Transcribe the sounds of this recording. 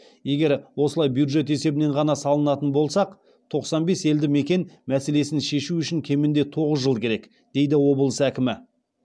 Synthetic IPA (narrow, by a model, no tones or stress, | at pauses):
je̞ɡʲe̞ɾwo̞səlˠɑjbjud̪ʒe̞t̪e̞se̞bɪne̞ɴʁɑnɑsɑlˠənɑt̪ənbo̞lˠsɑq | t̪ʰo̞qsɑnbe̞se̞ld̪ɪme̞kʲe̞nmæse̞le̞sɪnʃe̞ʃuʏʃɪŋkʲʰe̞mɪnd̪e̞t̪ʰo̞ʁəzʒəlˠkʲʰe̞ɾe̞k | d̪̥e̞jd̪ɪwo̞bəlˠəsækʲɪmɪ